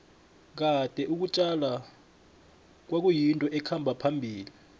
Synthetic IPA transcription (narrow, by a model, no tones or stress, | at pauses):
k̬ad̥ʱɛʔuk̬ut͡ʃʼala | k̬wak̬ujintʼɔʔɛkʰambʱapʰambʱiːli